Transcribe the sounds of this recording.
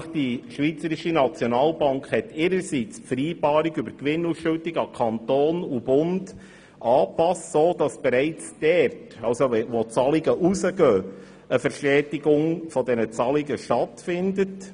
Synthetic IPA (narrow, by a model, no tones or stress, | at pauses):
χd̥iʃʋit͡səɾɪʃinɑt͡sjɔnɑːlbɑŋkχhɛtɪɾəɾsit͡spfəɾiːb̥ɑːɾiɡybəkʋɪnːusʃøltɪɡɑkʰɑntoːnub̥ʊnd | ʔɑːpɑssoːd̥ɑsb̥ɛɾɛɪt͡sd̥ɛrtɑlwsoɛʋɔt͡sɑliɡəʔusəɡœː | əfəɾʃɛːdɪɡʊŋfɔdɛnət͡sɑliɡəʃtɑtfɪndət